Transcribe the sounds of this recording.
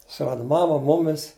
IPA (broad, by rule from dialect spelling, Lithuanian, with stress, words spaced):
sʊˈrɑːdɐ ˈmɑːmɐ ˈmʊmʲɪs